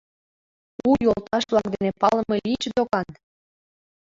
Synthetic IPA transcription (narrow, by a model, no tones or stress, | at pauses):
ujolt̪ɑʃβlɑk̚d̪enepɑlə̆melit͡ɕd̪okɑn